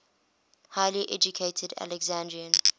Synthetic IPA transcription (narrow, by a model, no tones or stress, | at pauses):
haɪliʔɛ̰d͡ʒukʰetʰəda̰lɛɡzãndɹiə̃n